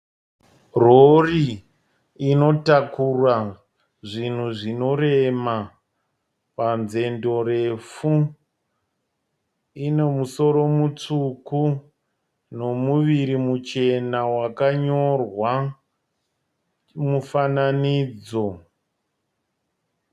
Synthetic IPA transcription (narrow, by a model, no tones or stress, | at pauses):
roriː | no̞takura | ʐin̤uʐino̞rema | panze̞ndo̞ɾe̞fu | ine̞muso̞ɾo̞mut͡ʂuku | no̞muʋiɾimut͡ʃe̞nawakaɲo̞rwa | mufananiːd͡zo̞